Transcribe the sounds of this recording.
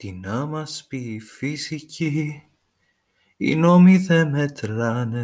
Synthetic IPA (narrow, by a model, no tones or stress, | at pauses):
t̪inɐmɐspiːfisici | ḭnomiðemet̪ɾɐne